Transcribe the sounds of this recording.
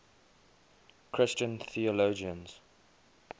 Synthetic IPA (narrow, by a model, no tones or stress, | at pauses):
kʰɹɪst͡ʃə̃nθiɔlod͡ʒiə̃nz̥